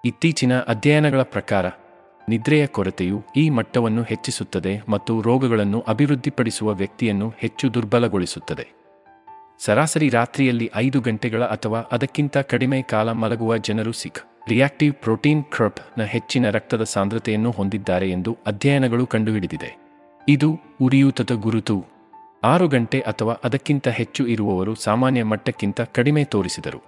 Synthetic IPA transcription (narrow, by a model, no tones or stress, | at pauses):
it̪ːiːt͡ʃinɐʔɐd̪ʱjɐjɐnɐɡɐɭɐpɾɐkaːɾɐ | nid̪ɾɛjɐkɔɾɐt̪ejuiːmɐʈːɐʋɐnːuhe̞t͡ʃːisut̪ːɐd̪e̞mɐt̪ːuɾɔːɡɐɡɐɭɐnːuʔɐbʱiʋɾud̪ʱːipɐɽisuʋɐʋjɐk̚t̪ijɐnːuhe̞t͡ʃːud̪uɾbɐlɐɡo̞ɭisut̪ːɐd̪e̞ | sɐɾaːsɐɾiɾaːt̪ɾijɐlːiʔɐjd̪uɡɐɳʈɛɡɐɭɐʔɐt̪ʰɐʋaːʔɐd̪ɐkːint̪ɐkɐɽimeːkaːlɐmɐlɐɡuʋɐd͡ʒɐnɐɾusik | ɾijaːk̚ʈiʋpɾoːʈiːnkʰɾɐɾpnɐɦe̞t͡ʃːinɐɾɐk̚t̪ɐd̪ɐsaːnd̪ɾɐt̪ɛjɐnːuɦond̪id̪ːaːɾe̞end̪uɐd̪ʱjɐjɐnɐɡɐɭukɐɳɖuiɽid̪id̪e̞̰ | id̪uː | ɾijuːt̪ɐd̪ɐɡuɾut̪u | aːɾuɡɐɳʈe̞ʔɐt̪ʰɐʋaːʔɐd̪ɐkːint̪ɐɦe̞t͡ʃːuiɾuʋɐʋɐɾusaːmaːnjɐmɐʈːɐkːint̪ɐkɐɽimeːt̪o̞ːɾisid̪ɐɾṵ